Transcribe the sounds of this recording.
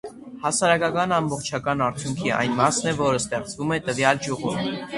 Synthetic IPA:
hɑsɑɾɑkɑkɑnɑmbɔχt͡ʃʰɑkɑnɑɾt͡sʰjuŋkʰiɑ̰jnmɑsnɛvɔɾəst̪ɛχt͡svumɛt̪əvjɑld͡ʒuʁṵm

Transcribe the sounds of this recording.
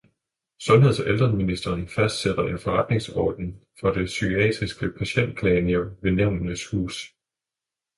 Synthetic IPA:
sɔ̽nɦeð̰ˠfɒʔeld̥ʁɐnminisd̥ɐːnfæsd̥sed̥ɐʔe̝nfɒ̽ʁɑ̈d̥ne̝ŋsɒ̰ːd̥n̩fɒ̽d̥e̝syɡʰiɛ̰d̥ʁisɡ̥əpʰæɕen̰d̥̚kʰlɛnioʋe̝neʊ̰nənəshṵːs

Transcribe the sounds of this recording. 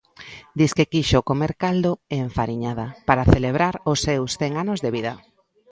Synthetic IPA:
d̪iskekiʃokomeɾkald̪oeɱfaɾiɲaðapaɾaθeleβ̞ɾaɾʊsːewsθɛŋanozðeβiðɐ

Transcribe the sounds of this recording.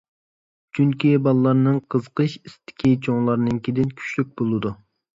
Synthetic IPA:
t͡ʃʰyŋkʲibɑlˠlːˠɑɾnɨŋqʰəzqəʃist̪ʰɪ̥kʲʰit͡ʃʰoŋlˠɑɾnɨŋkʲed̪ɪnkʲʰy̥t͡ʃlyk̚ʲbolˠɨd̪u

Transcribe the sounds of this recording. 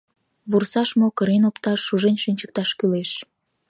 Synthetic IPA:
βursɑʃmokəɾenopt̪ɑʃːuʒenʲʃynʲt͡ɕə̥k̚t̪ɑʃkyleʃ

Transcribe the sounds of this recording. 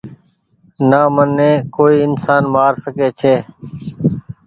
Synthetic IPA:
naːmənːẽːkoːiːɪnsaːnmaːɾsəkeːt͡ʃʰeː

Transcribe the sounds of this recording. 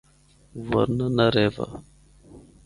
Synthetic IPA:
va̰ɾnanaɾeva̰

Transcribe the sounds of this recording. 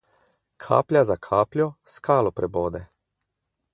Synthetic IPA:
kʰa̰ːplʲjazakʰaːplʲjɔskʰaːlɔpɾɛboːd̪ɛ

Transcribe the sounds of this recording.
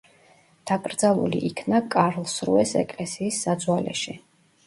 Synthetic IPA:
d̪̥akʼɾd̪zalˠṵlḭʔikʰnakʼaɾlˠsɾṵɛsɛ̰kʼlɛsiːsːad̪zwalɛ̰ʃi

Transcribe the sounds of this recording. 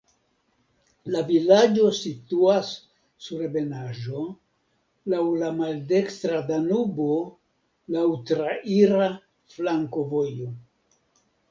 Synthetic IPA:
lavilad͡ʒo̞situasː | uɾebe̞naʒo̞ | lawlamalde̞kstɾadanubo̞ | lawtɾaʔiɾa | flaŋko̞vo̞jo

